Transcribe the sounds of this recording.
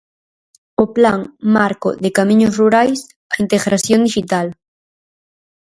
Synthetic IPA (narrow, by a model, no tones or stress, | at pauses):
oplaŋmaɾko̰ðekamĩɲosruɾajs | aint̪eɣɾasjõnd̪iʃit̪al